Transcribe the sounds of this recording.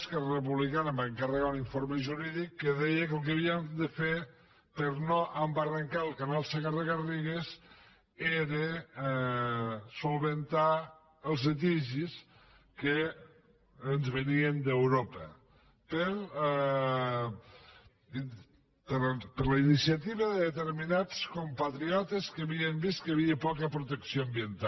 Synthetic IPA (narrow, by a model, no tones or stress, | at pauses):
skɛrrəpuβlikanəmbaŋkarəɣauniɱfoɾməʒuɾiðikːəðɛjəkəlˠk̬əβ̞iəmd̪əfeɾ | pəɾnɔʔəmbarəŋkalˠkanalˠseɣaɾðəɣariɣes | eɾe | sulˠβənt̪a | əlˠzlət̪iʒis | ke | nzβeniend̪ewɾopɐ | peɾ | peɾlainisjat̪iβɐðeðet̪eɾminat͡skompat̪ɾiɔt̪eskeβiembist̪kɐβiepɔkɐpɾut̪eksjoambjent̪a